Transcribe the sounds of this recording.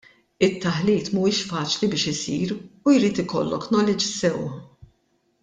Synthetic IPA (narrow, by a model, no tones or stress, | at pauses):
ɪt̪ːɐħliːt̪muːɪːʃfɐːt͡ʃlibɪːʃɪsḭːɾujɾiːt̪ɪkɔ̰lːɔknɔːlɪd͡ʒisɛw